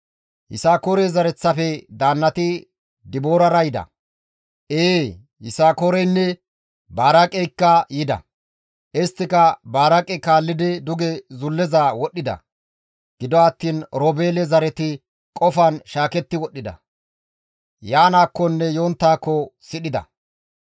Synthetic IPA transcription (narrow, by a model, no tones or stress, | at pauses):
hɪ̰saːkoːɾɛzɐɾɛt͡sːɐfɛd̪aːnːɐt̪ɪ | d̪ɪbo̞ːɾɐɾɐjɪd̪ɐ̰ | ʔeː | hɪ̰saːkoɾɛjnːɛ | baːɾɐkʼɛjkːɐjɪd̪ɐ̰ | ʔɪst̪ːɪkɐbaːɾɐkʼɛkaːlːɪd̪ɪd̪ʊɡɛzʊlːɛzawɔɗːɪd̪ɐ̰ | ɡ̥ɪd̪ɔɐt̪ːiːnɾoːbeːlɛzɐɾɛt̪ɪ | kʼɔfɐnʃaːkɛt̪ːɪwɔɗːɪd̪ɐ̰ | jaːnaːkːɔnːɛjo̞ːnt̪ːaːkːɔsɪɗɪd̪ɐ̰